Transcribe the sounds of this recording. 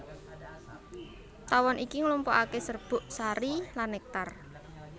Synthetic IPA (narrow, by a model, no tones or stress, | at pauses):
t̪awɔnikiŋlumpɔ̰ʔakesərb̥ʊ̤ʔsaɾilanːɛk̚t̪ar